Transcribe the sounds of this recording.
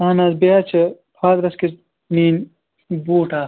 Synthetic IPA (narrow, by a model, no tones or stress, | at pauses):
aːnaːzbeat͡ʃʰɐ | pʰaːd̪ɾɐski | niːn | buːʈʰaː